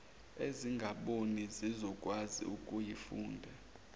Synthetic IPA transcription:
eziŋɡʱaɓonizizɔkʼwazḭukʼujifuːndʱɛ

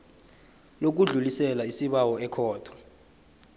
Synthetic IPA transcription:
lok̬uɮulisɛlaisiɓawɔɛkʰɔːtʰɔ̥

